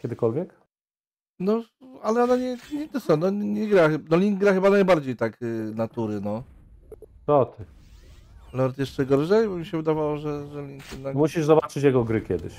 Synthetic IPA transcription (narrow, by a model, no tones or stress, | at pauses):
kʲɛd̪ɘkɔlvʲjɛk | nɔalɛɔnaɲɛɲɛt̪ɛsɔnɔɲɲɛɡɾaxnɔlʲiŋɡ̚ɡɾaxɘbanajbaɾd͡ʑejt̪aknat̪uɾɘnɔ | t̪ɔt̪ʰɘ | lɔɾt̪jɛʂt͡ʂɛɡɔɾʐɛjbɔmʲiɕɛvɘd̪avawɔʐɛʐɛlʲiŋkjɛd̪nakmuɕiʐzɔbat͡ʂɘt͡ɕjaɡɔɡɾɘkʲɛd̪ɘ̰ɕ